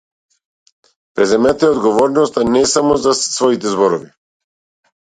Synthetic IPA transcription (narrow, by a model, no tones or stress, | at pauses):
pɾɛzɛmat̪ɛɛɔd̪ɡɔvɔɾnɔst̪anɛsamɔzasvɔit̪ɛzbɔɾɔvi